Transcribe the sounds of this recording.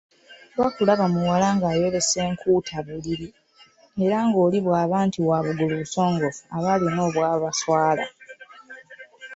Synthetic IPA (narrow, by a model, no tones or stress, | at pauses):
lwakulaβamuwalaŋɡaːjo̞ɾe̞se̞ːŋkuːtʰaβuliɾi | e̞ɾaŋɡo̞ːliβwaːβaːntiwaβuɡuluβuso̞ːŋɡo̞faβalino̞ːβwaːβaswaːla̰